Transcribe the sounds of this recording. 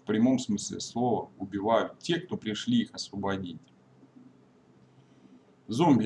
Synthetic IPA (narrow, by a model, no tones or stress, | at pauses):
fpɾʲɪmo̞msmɨslʲɪ̰slˠovəʊbʲɪvajʊtʲːe̞k̚t̪o̞pɾʲɪʂlʲiixɐsvəbɐdʲitʲ | zomʲbʲ